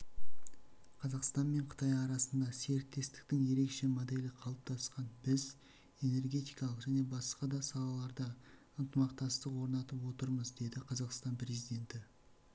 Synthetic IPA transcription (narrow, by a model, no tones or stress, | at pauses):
qʰɑzɑqst̪ɑnme̞ɴqʰə̥t̪ɑjɑɾɑsənd̪ɑse̞ɾɪk̚t̪e̞st̪ɪ̥kt̪ɪŋje̞ɾe̞kʃe̞mod̪e̞lɪqʰɑlˠəp̚t̪ʰɑsqɑnbɪz | e̞ne̞rɡʲe̞t̪ijkɑlˠəqʒæne̞bɑsqɑd̪ɑsɑlˠɑlˠɑɾd̪ə | ənt̪əmɑq̚t̪ɑst̪əqwo̞ɾnɑt̪əpwo̞t̪əɾməzd̪e̞d̪ɪqʰɑzɑqst̪ɑnpre̞zijd̪ʲe̞nt̪ɪ